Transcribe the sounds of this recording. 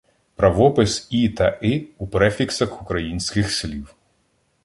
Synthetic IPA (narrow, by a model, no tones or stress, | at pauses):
pɾɐʋɔpɪsit̪ɐʔɪupɾɛfʲiksɐxʊkɾɐjinʲsʲkɪxslʲiw